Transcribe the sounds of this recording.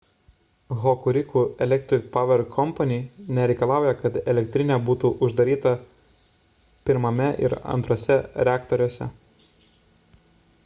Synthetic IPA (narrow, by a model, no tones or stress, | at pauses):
ɣɔkʊɾʲɪkuːɛlʲɛkt̪ʲɾʲɪkpɐʋʲɛɾkʰɔmpɐnʲinʲɛɾʲɛɪkɐlˠɑˑʊjɛkɐt̪ɛlʲɛkʲt̪ʲɾʲɪnʲɛːbuːt̪uʔʊʒd̪ɐɾʲiːt̪ɐ | pʲɪɾmɐmʲɛʔɪ̰ɾɐ̰nt̪ɾoːsʲɛɾʲæːkt̪ɔɾʲoɔsʲɛ̰